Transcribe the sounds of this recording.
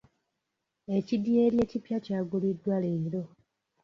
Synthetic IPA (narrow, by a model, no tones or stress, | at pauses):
e̞cidje̞ːlje̞ːcipjacaːɡulidːwale̞ːɾo̞